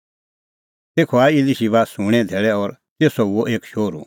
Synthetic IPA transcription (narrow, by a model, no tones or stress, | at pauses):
t̪eːkʰɔaːiiliʃibaːsũɽ̃ɛ̃d̪ʱeːɭɛɔɾ | t̪eːsɔʊoʔeːkʃoːɾṵ